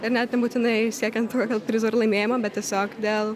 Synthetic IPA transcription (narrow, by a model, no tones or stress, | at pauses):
ɪɾnʲæt̪nʲɛbuːtʲɪnɐɪsʲiɛkʲɛnt̪t̪uːkʲoɡʲɐlˠpʲɾʲɪzoɾlˠɐɪmʲeːjɪmoːbʲɛt̪̚tʲiɛsʲoːkd̪ʲeːlˠ